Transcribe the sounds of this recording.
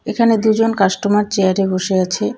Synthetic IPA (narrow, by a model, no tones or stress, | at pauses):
ekʰaned̪ud͡ʑonkaʃʈomaɾt͡ɕeaɾeboʃeat͡ɕʰe